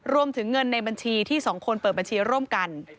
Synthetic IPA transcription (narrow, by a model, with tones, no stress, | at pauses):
ɾu˧əmt̪ʰɯ˩˦ŋːɤ˧nːa˧jba˧nt͡ɕʰiː˧t̪ʰiː˥˩sɔː˩˦ŋkʰo˧npɤː˨˩t̪̚ba˧nt͡ɕʰiː˧ɾu˥˩ə˨mka˧n